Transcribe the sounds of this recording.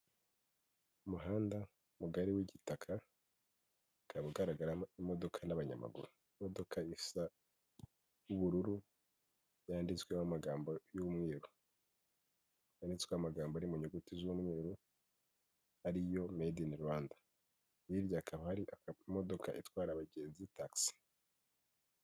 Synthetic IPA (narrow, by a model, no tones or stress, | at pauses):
umuɦaːnda | muɡaɾiwiɟitakʰa | kʰaβaɡaɾaɡaɾaimo̞do̞kʰanaβaɲa̰ma̰ɡṵɾu | mo̞do̞kʰaisa | juβuɾuɾu | jaːndit͡swemamaɡaːmbo̞jumŋeːɾu | jaːndit͡sweamaɡaːmboaɾimuɲoɡutizumŋeːɾu | aɾijo̞mediniɾwaːndḁ | niɾjaːkʰaβahaɾiʔamo̞do̞kʰaʔitwaːɾaβaɡe̞ːnzitaksi̥